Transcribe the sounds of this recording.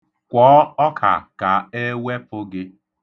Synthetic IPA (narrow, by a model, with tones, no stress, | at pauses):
kʷɔː˨˦ɔ˦kʰa̰˨ka˨e˦we˦fo˦ɡɪ˦